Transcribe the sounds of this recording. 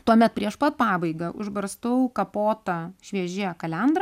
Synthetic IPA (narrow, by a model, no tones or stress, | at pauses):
t̪uɔmʲɛt̪̚pʲɾʲiɛʃpɐt̪̚pɑːbɐɪɡɐʔʊʒbɐɾst̪ɐʊkɐpoːt̪ɐʃʲʋʲiɛʒʲɪkɐlʲɛnd̪ɾɐ